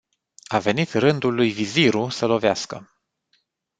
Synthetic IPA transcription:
ave̞nit̪rɨnd̪ulːujviziɾusəlo̞veaskə̰

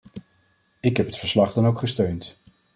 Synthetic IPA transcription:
ɪkɦɛpɦətfəɹslɑχdɑnowkχəstøɥnt

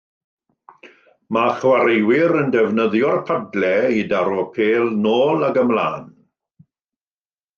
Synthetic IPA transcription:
maχwaɾɪwɪɾəndɛvnəðjɔrpʰadlɛidaɾɔpʰeːlˠnoːlˠaɡəmla̰ːn

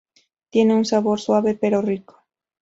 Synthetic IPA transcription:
t̪jeneuŋsaβoɾswaβepeɾoriko̥

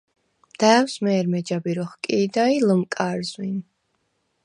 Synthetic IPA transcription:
md̪̥ɛːwsmɛːɾmɛd͡ʒabiɾɔχkʼiːd̪ailəmkʼaɾzwin

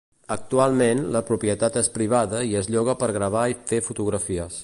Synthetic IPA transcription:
ək̚t̪ualˠmenləpɾupjət̪at̪espɾiβ̞aðəiəzʎɔɣ̞əpəɾɣɾəβ̞aifefut̪uɣɾəfiəs

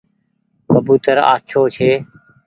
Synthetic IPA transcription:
kəbuːt̪əɾa̰ːt͡ʃʰoːt͡ʃʰeː

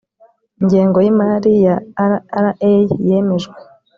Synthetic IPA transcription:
iɲɟeːŋɡojimaːɾijaɾaɾaʔejje̞me̞ʒɡwe

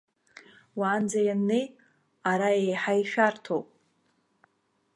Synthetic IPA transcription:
waːnd͡zajanːej | aɾaejħajʃᶣartʰowpʼ

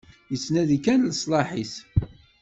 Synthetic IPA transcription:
jət͡sːnæðikænlsˤlɑħiθ

